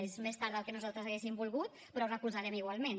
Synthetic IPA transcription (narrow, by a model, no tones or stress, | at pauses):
ezmest̪aɾðəlˠkənuzalˠt̪ɾəzaɣesimbulˠɣut̪̚ | pɾɔurəkuzaɾɛmiɣwalˠmen